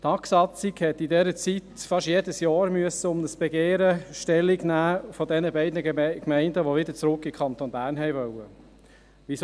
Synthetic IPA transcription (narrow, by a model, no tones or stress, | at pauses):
tɑksɑt͡siɡhɛt̪idɛːɾət͡sitfɑʃjeːdəsjɑːɾmyəsəʊmnəsb̥eɡeːɾəʃtɛlːiɡnæːfɔdɛnəbɛɪdnəkmɛɪndəʋoʋɪdəɾt͡sɾʊkːikʰɑnt̪onbæːɾnɦɛɪʋœwə | ʋis